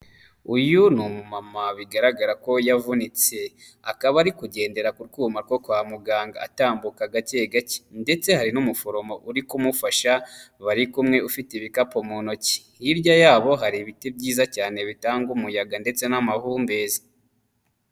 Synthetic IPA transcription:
ujunumumamaβiɡaɾaɡaɾako̞javunit͡se̞ | akaβaɾikuɟe̞ːnde̞ɾakuɾɡuːmaɾɡo̞kwaːmuɡaːŋɡa̰a̰taːmbukaɡat͡ʃeɡaci̥nde̞t͡se̞haɾinumufo̞ɾo̞mo̞ʔuɾikumufaʃaβaɾikumŋe̞ufitiβikapo̞munoci̥ | jiɾɟajaːβo̞ɦaɾiβiteb̚ɟiːzacaːne̞βitaːŋɡumujaɡande̞t͡se̞namahuːmbe̞zi̥

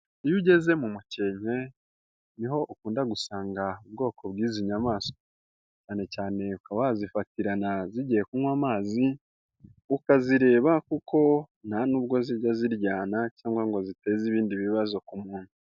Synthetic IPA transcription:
ijuɟe̞ze̞mumuce̞ːɲe̞ | niɦo̞ʔukuːndaɡusaːŋɡaubɡo̞ːkʰo̞βɡiːziɲamaːso̥ | caːne̞caːne̞ukaβazifatiɾanaziɟijekunwaːmaːzi | ukaziɾe̞ːβakukʰo̞ | nanuːbɡo̞ziɟaziɾɟaːnacaːŋɡwaŋɡo̞zite̞ːziβiːndiβiβazo̞kumuːn̥hu

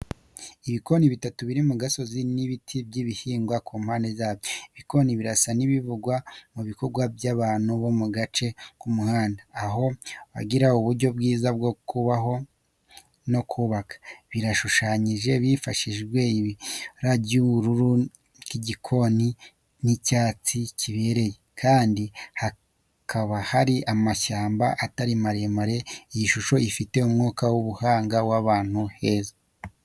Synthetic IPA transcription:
iβiko̞niβitatuβiɾimuɡaso̞ziniβitʰibɟiβihiːŋɡwakʰuːm̥haːndezaːβjoiβiko̞niβiɾasaniβivuɡwamuβiko̞ɾɡwabjaβaːnuβo̞muɡat͡ʃe̞kumuhaːndaːɦo̞βa̰ɡiɾauβuɾɟo̞b̚ɡiːzab̚ɡokuβaɦo̞ | no̞kʰuːβakḁβiɾaʃuʃaːɲiʒe̞βifaʃiʒɡwe̞iβɾaɟuɾuɾu | kiɟikʰo̞ni | nicaːt͡siciβe̞ːɾe̞jekʰaːndiha | kʰaβahaɾiʔamaʃaːmbaʔataɾimaɾe̞maɾe̞ijiʃuʃo̞ifite̞umŋuːkawuβuhaːŋɡawaβaːn̥huhe̞ːza

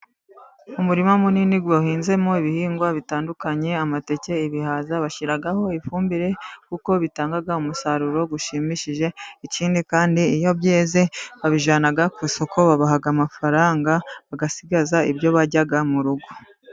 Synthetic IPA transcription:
umuɾimomuniniɡeuhiːnze̞mo̞iβihiːŋɡwaβitaːndukaɲe̞amate̞ce̞iβihaːzaβaʃiɾaɡaho̞ifuːmbiɾe̞kuko̞βitaːŋɡaɡaumusaɾuɾo̞ɡuʃimiʃiʒe̞iciːndikaːndiijo̞bje̞ːze̞βaβiʒaːnaɡakuso̞ko̞βaβaɦaɡamafaɾaːŋɡaβaɡasiɡazaibjo̞βaɟaɡamuɾuɡo

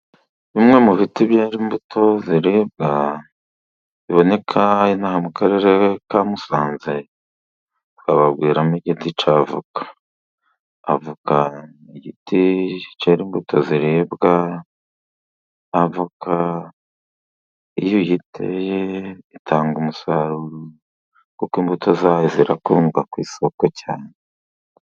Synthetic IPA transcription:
βimŋe̞muβitibjeːɾimbutʰo̞ziɾib̚ɡa | βiβo̞ne̞kʰainahamukaɾe̞ɾekamusaːnze | tkaβabɡiːɾamiɟitit͡ʃavṵkḁ | vuka | iɟitit͡ʃeɾiːmbutʰoziɾebɡa | vukʰa | ijojitʰḛjeitʰaːŋɡumusaɾuɾu | kukimbutʰozajeziɾakuuːŋɡakwiːsokocaːne

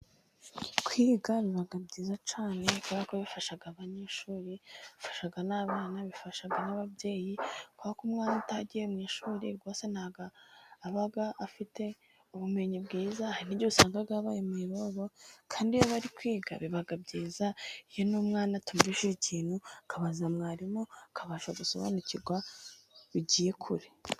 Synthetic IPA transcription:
kwiːɡaβiβaɡabɟiːzat͡ʃaːnekuβakoβifaʃaɡaβaɲeːʃuːɾiβifḁʃaɡanaβaːnaβifaʃaɡanaβabje̞ːjikuβakuːmŋaːnataɟijeumɲeʃuːɾḭɡo̞ːse̞nhaːɡaːβaɡaʔafite̞ | uβume̞ɲibɡiːzahaɾinibɟousaːŋɡaɡaβaːjemuiɾoβo̞kʰaːndijoβaɾikwiːɡa̰βiβaɡab̚ɟiːzaijo̞numŋaːnatumɾiʃiɾiciːnhukʰaβazamŋaːɾimokʰaβaʃaɡuso̞̰βa̰nuciɾɡwa | βiɟiːje̞kʰuɾi

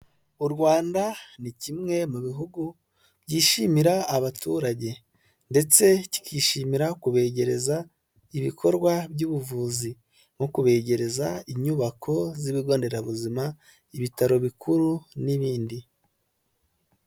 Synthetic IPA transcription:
uɾɡwaːndanicimŋe̞muβiɦuɡu | bɟiːʃimiɾaːβatṵɾaɟe̞ | nde̞t͡se̞ci̥kʰiːʃimiɾakuβe̞ːɟe̞ɾe̞za | iβikʰo̞ɾɡwabɟuβuvuːzi | mokuβe̞ːɟe̞ɾe̞zaiɲuβakʰo̞ziβiɡo̞ːnde̞ɾaβuzima | iβitaɾo̞βikʰuɾuniβiːndi

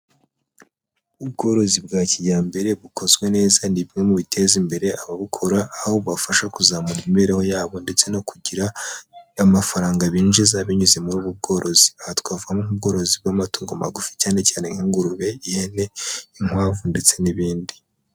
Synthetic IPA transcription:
ubɡo̞ːɾo̞zibɡaːcijaːmbe̞ɾe̞βuko̞zɡwe̞ne̞ːzaniβiŋe̞muβitʰe̞ːzimbe̞ɾe̞aβaβukʰo̞ɾaːhoβafaʃakuzamuɾiimbe̞ɾeho̞jaːβonde̞t͡se̞no̞kuɟiɾaː | mafaɾaːŋɡaβiːnd͡ʒizaβiɲuze̞muɾuːβub̚ɡo̞ːɾʔo̞ziahatkwaːvuɡamoŋub̚ɡo̞ːɾo̞zib̚ɡamatuːŋɡoma̰ɡufi̥caːne̞caːneŋiŋɡuɾuβe̞ihene̞iŋ̥waːvunde̞t͡se̞niβiːndi

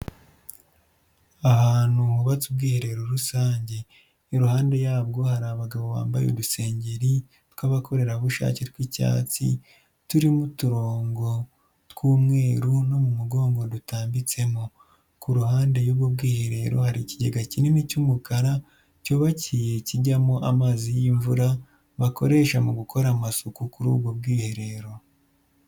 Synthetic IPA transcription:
ahaːn̥huhuβatubɡiːhe̞ɾe̞ɾoɾusaːɲɟe̞ | ɾuhaːnde̞jaːb̚ɡo̞haɾaβaɡaβo̞βa̰ːmba̰jo̰ɾuse̞ːɲɟe̞ɾi | tkwaβakʰo̞ɾe̞ɾaβuʃa̰ːcetwica̰ːt͡sḭ | tuɾimutuɾoːŋɡo̞ | tkuːmŋe̞ːɾuno̞mumuɡo̞ːŋɡo̞dutaːmbit͡se̞mo | kuɾuhaːnde̞joβɡobɡiːhe̞ɾe̞ɾo̞̰haɾiciɟeɡacinimicumukaɾa | coβacije̞ciɟamoʔamaːzijiɱvuɾa | βako̞ɾe̞ːʃamuɡuko̞ɾamasukukuɾṵːbɡob̚ɡiːhe̞ɾe̞ɾo̞

